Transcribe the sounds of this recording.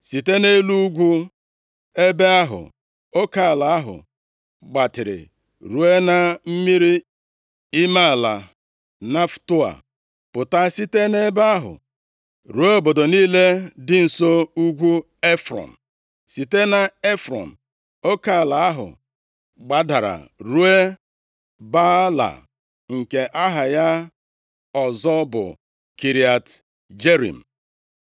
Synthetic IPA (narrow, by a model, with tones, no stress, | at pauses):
si˨te˦ne˦lu˦u˦ɡʷu˦ | e˦be˦a˦ɦʊ̰˨ | o˦ka˦˨la˨a˦ɦʊ̰˨ | ɡ͡ba˨tɪ˨ɾɪ̰˨ | ɾu˨e˦na˨m̩˦mi˦ɾi˦ | i˦ma˦˨la̰˨ | na˦ftʊ˦a̰˨ | pʊ˨ta˦si˦te˦ne˦ba˦a˦ɦʊ̰˨ | ɾu˨e˦bo˨do˨niː˦le˦dɪ˦n̩˨so˦u˦ɡʷu˦ | e˦fɾɔ̰˨n̩˨ | si˨te˦na˨e˦fɾɔ̰˨n̩˨ | o˦ka˦˨la˨a˦ɦʊ̰˨ | ɡ͡ba˦da˨ɾa̰˨ɾu˦e˦ | ba˦la̰˨ | ŋ̩˨ke˨ʔa˦ɦa˨ja˦ | ɔ˨zɔ˦bʊ̰˨ | ki˨ɾi˨a˨t | d͡ʒe˦ɾḭ˨m̩˨